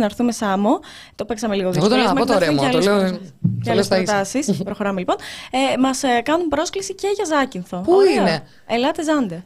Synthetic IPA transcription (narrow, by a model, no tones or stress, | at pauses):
nɐɾθume̞sɐmo | t̪opeksɐmeliɣoðiot̪omɐot̪ːɾemɐloeceɐlest̪ɐsispɾo̞xo̞ɾɐmelipo̞nemɐskɐnumpɾo̞sklisice̞ʝɐzɐcinθo̞puie | elɐt̪ezɐnd̪e